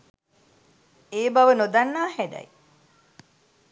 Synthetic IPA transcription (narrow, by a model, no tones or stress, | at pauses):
eːbɐʋənod̪ɐnːaːhæd̪ɐ̰j